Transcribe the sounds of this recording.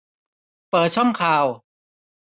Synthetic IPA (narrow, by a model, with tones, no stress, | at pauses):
pɤː˨˩t̪̚t͡ɕʰɔ˥˩mkʰaː˧w